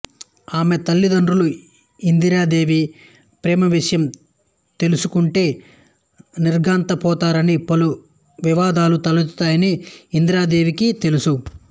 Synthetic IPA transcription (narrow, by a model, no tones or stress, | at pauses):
aːme̞t̪ɐlːid̪ɐɳɖɾulu | ind̪iɾaːd̪e̞ːʋi | pɾɛːmɐʋiʂɐjɐm | t̪e̞lusukuɳʈe̞ː | niɾɡaːnt̪ɐpɔːt̪aːɾɐnipɐlu | ʋiʋaːd̪aːlut̪ɐlɐt̪aːjɐniːnd̪iɾaːd̪e̞ːʋikit̪e̞lusu